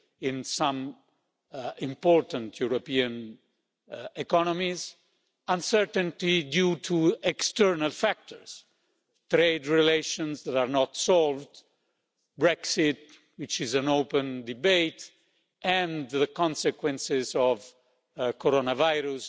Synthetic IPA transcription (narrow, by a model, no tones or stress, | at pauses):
ĩnsãm | ĩmpɔɹt̪ãnt̪ʰjuɾopiãn | ɛkɔnɔmiz | ãnsɛɾt̪ə̃nt̪idjut̪ʰuɛkst̪ɛɹnalfak̚t̪ʰɔɹs | t̪ɾejd̪ɹileʃɔ̃nsd̪ɛt̪aɾnɔt̪sɔlvd̪ | bɹɛksit̪ | wit͡ʃizæ̃nowpə̃nd̪ibejt̪ | ɛ̃nðəkɔ̃nsɛkwɛ̃nsɪzɔv | kɔɾonavajɾus